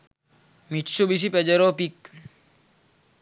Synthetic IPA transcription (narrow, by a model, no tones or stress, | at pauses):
mit͡ʃːubis̬ipɛd͡ʒɐɾɔpik